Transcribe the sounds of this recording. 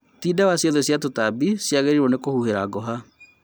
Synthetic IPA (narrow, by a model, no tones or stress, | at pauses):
tiːdawasjɔðɔsjatotabisjaɣeɾiɾonekohuheɾaɡɔɦa